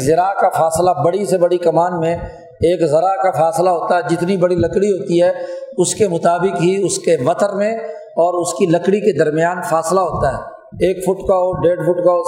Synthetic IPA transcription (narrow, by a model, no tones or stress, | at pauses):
zɐɾakafaːslabɐɽisebɐɽikɐmaːnmẽ | eːkzɐɾakafaːslaɦoːt̪aɦɛd͡ʒɪt̪nibɐɽilɐkɽiɦoːt̪iɦɛʊskemʊt̪aːbɪkɦiʊskeʋɐt̪əɾmẽ | ɔːɾʊskilɐkɽiked̪ɐɾmɪjaːnfaːslaɦoːt̪aɦɛː | eːkfʰʊʈkaoɖeːɖfʊʈkao